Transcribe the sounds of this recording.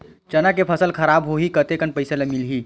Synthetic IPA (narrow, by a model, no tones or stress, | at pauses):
t͡ʃɐnakepʰəsəlkʰəɾaːbɦoɦikət̪ekənpəɪselemilɦi